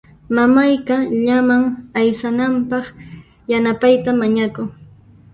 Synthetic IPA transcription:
mamajkaʎamaŋajsanampɑχ | janapajt̪amaɲakʊŋ

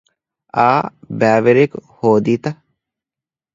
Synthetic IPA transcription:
aːbæːʋeɾekuhoːd̪iːt̪ɐ

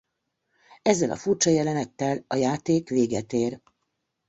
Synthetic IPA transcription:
ɛzːɛlɒ̰furt͡ʃɒjɛlɛnɛt̪ːɛlɒjaːt̪eːkʋeːɡɛt̪eːr

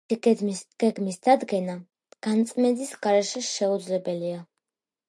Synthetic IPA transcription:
ɡ̥ɛɡmisd̪̥ad̪ɡɛna | ɡ̥ant̪sʼmɛd̪isɡaɾɛʃɛʃɛud̪zlɛbɛlia

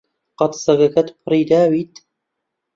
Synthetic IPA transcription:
qɑt̪sɐɡɐkɐt̪pʰɨriːd̪aːwiːt̪

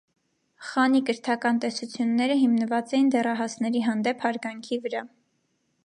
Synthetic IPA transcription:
χɑnikəɾt̪ʰɑkɑnt̪ɛsut͡sʰjunːɛɾəɦimnəvɑt͡sɛjind̪ɛrɑɦɑsnɛɾiɦɑnd̪ɛpʰhɑɾɡɑŋkʰivəɾɑ

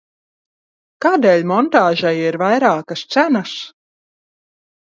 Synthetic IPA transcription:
kaːd̪eːlʲmɔnt̪aːʒajiɾvajɾaːkɐst̪sænas

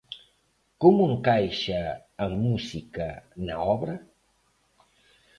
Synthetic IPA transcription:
komueŋkajʃɐː | musikɐnɐɔβɾɐ

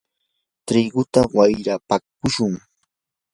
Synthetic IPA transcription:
t̪ɾɪɡʊt̪awajɾapak̚ʊʃʊŋ

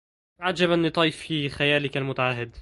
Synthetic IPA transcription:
ʕad͡ʒabænːɨt̪ˤɑːjfiːxæjæːlɪkælmʊt̪aʕaɦːɪd̪

